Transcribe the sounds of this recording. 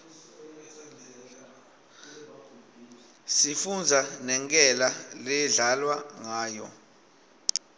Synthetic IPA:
sifund͡zʱanɛŋkʼɛlalɛɮalwaŋaːjɔ

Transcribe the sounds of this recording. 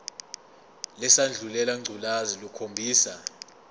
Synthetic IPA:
lɛsand͡ɮʱulɛlaŋ͡ǀʱulazilukʰombʱiːsa

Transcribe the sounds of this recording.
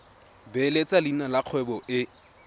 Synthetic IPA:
belet͡sʼalinalaq͡χʰwɛbɔʔɪ

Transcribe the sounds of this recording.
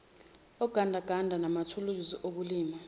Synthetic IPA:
ɔɡ̥ʱandʱaɡ̥ʱandʱanamatʰuluiziʔok̬uliːma

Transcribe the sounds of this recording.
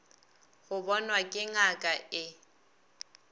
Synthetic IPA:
ɣʊbɔnwakʼɪŋakʼaɪ

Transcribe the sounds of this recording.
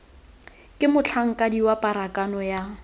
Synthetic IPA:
kʼɪmʊt͡ɬʰaŋ̩kʼadiwapʼaɾakʼanɔja

